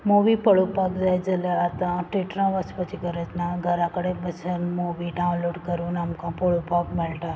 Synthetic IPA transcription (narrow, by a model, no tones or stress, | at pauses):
moʋipəɭupakd͡ʒajd͡ʒəleat̪ãʈiʈɾãʋəspət͡ʃʰikəɾet̪naɡʱəɾãkəɽebət͡ʃʰənmobiɖaũnloɖkəɾunamkãpəɭupakmelʈ̪a